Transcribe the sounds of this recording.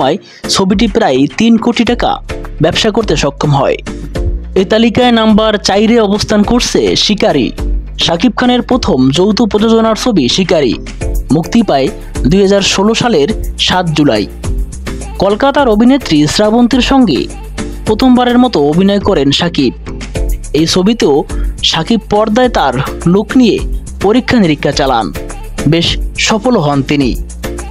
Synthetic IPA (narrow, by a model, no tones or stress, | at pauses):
ɔe | t͡ɕʰobiʈ̬ipɾajt̪inkoʈiʈaka̰bɛbʃakoɾt̪eʃɔkʰːomɦɔ̰e | et̪alikaenambaɾt͡ɕajɾeɔbost̪ʰankoɾt͡ɕʰḛʃikaɾḭ | ʃakib̚kʰaneɾpɾot̪ʰomd͡ʑowt̪opɾod͡ʑod͡ʑonaɾt͡ɕʰobiʃikaɾḭ | mukt̪ipae | d̪uɦad͡ʑaɾʃoloʃaleɾʃat̪̚d͡ʑula̰j | kɔlkat̪aɾobʱinet̪ːɾisɾabont̪iɾʃɔŋɡḛ | pɾot̪ʰombaɾeɾmɔt̪oobʱinɔekɔɾenʃakib̚ | ejt͡ɕʰobit̪eoʃakib̚pːɔɾd̪aet̪aɾloknijḛ | poɾikʰːaniɾikʰːat͡ɕala̰n | beʃʃɔfoloɦɔnt̪inḭ